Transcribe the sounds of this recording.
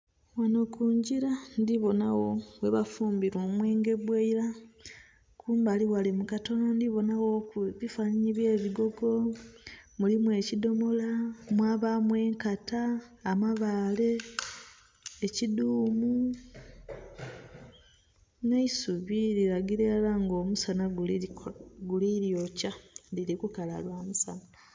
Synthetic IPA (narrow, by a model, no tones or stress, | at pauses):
wanokuːɲɟiɾandiβo̞nawo̞we̞βafuːmbiɾwo̞mweːŋɡe̞βweiɾa | kʰuːmbaliwalimukato̞nandiβo̞nawo̞kuβifaːɲiɲiβje̞ːβiɡo̞ɡo̞ | mulimwe̞ːcido̞mo̞lamwaːβamwe̞ːŋkataːmaβaːle̞ | ciduːmu | neisuβiɾiɾaɡiɾe̞laŋɡoːmusanaɡ | ɡuliɾijocadiɾikukala̰lwaːmusana